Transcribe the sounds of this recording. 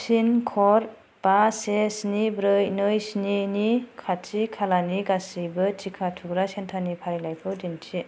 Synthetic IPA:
sinkʰɔɾ | b̥asesnibɾɯjnɯjsninikʰat͡ʃikʰalaniɡasibɯt͡ʃikʰatʰuɡɾasentʰanipʰaɾilajpʰɯdint͡ʃʰi

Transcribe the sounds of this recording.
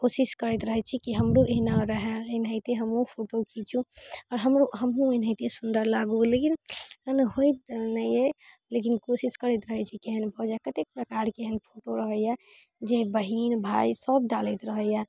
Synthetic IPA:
kosiskəɾɛt̪ɾəɦɛt͡ʃʰikiɦəmɾuʔeɦnaɾəɦɛenɦəɪt̪eɦəmɦũpʰoʈokit͡ʃʰũɔːɾɦəmɾoɦəmɦũenɦəɪt̪esund̪əɾlaɡolekinənɦojt̪nəe | lek̬inkosiskəɾɛt̪ɾəɦət͡ʃʰikeɦənbʱɔd͡ʒakət̪ek̚pɾəkaɾkeɦənpʰoʈoɾəɦəja | d͡ʒebəɦinbʱaisəb̚ɖalɛt̪ɾəɦəja

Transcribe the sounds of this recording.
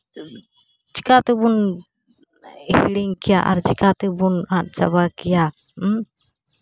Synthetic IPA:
t͡ʃikat̪ɛbun | hḭɽiŋkɛjaʔa̰ɾt͡ʃikat̪ɛbunat̪̚t͡ʃa̰βakɛja

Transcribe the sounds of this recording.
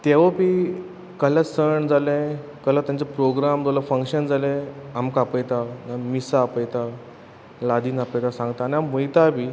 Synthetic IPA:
t̪eʋəpi | kəlasəɳd͡zalẽ | kəlat̪jãnt͡sepɾoɡɾamd͡zoləfəŋkɕənd͡zalẽamkapəjt̪anamisaːpəjt̪a | lad̪iːnapəjt̪asãŋɡt̪aːñiaməjt̪apiː

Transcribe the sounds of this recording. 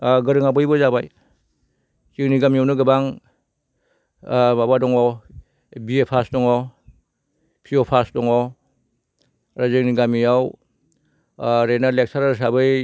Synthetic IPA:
ɡɯɾɯŋabɯjbɔzabaj | t͡ʃiŋniɡamijawnɯɡɯbaŋ | mabadɔŋɔ | biepʰasdɔŋɔw | kʰijɔpʰasdɔŋɔ | ɾazɯŋniɡamiaw | ɾenalek̚saɾaɾs̬abɯj

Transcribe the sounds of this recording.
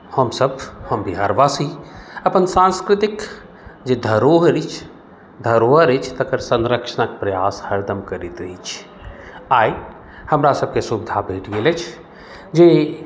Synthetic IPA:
həmsəbhəmbʱiɦa̰ːɾʋaːsiəpənsãnskɾɪt̪ik | d͡ʒed̪ʱəɾoɦəɾit͡ʃʰ | d̪ʱəɾoɦəɾət͡ʃʰt̪əkəɾsə̃nɾəkʃənəkpɾəjaːshəɾd̪əmkəɾit̪ɾəɦit͡ʃʰ | aːi | həmɾasəb̚kesubid̪ʱabʱeʈɡelət͡ʃʰ | d͡ʒe

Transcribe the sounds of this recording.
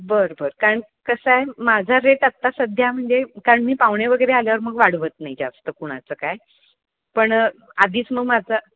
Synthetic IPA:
bəɾbəɾkaɾəɳ | kəsajmad͡zʱaɾeʈat̪ːasəd̪ʱjam̤əɳd͡zekaɾəɳmiːpaʋɳjeʋəɡəjɾealjaʋəɾməɡʋaɽʋət̪najd͡zast̪əːkoɽ̃a̰t͡səːkaj | pəɳad̪ʱiːt͡sməɡmad͡zʱə

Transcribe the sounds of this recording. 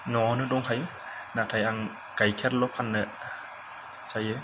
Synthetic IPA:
nɔɔnɯdɔŋhaj | natʰajaŋ | ɡ̥ajkʰeɾlɔpʰanːɯ | t͡ʃajɯ

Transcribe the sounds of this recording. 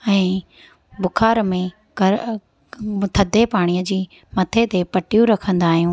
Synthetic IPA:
ɛ̃ː | bʊkʰaːɾmẽ | ɡɐɾ | t̪ʰɐd̪ʱepaːɽ̃ijəd͡ʑiː | mɐt̪ʰet̪epɐʈijũɾɐkʰə̃nd̪aːɦijũː

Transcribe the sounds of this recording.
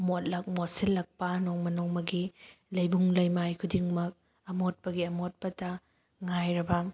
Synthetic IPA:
ɐmot̚lɐk̚mosilːɐk̚pɐnoŋmɐnoŋmɐɡilɐjbuŋlɐjmajkʰudiŋmɐk̚ | ɐmot̚pɐɡiɐmot̚pɐtɐ | ŋajɾɐbɐ

